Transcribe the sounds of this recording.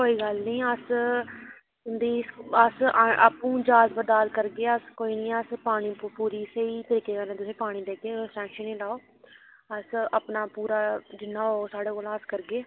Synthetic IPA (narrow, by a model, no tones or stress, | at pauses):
koːiːɡəlnĩːəs | ɪnd̪iːəsaːpũːd͡ʒaːzbəd̪aːlkəɾɡeːəskoːiːnĩːəspaːɽ̃ĩːpuːɾiːsəiːt̪əɾiːkeːkəɾnẽːt̪̬ʊsĩːpaːɽ̃iːd̪eːkeːʈɛ̃ːkʃənĩːlaːoː | əsəpnaːpuːɾaːd͡ʒɪnːãːoːsaːɽeːkoːlaːskəɾɡeː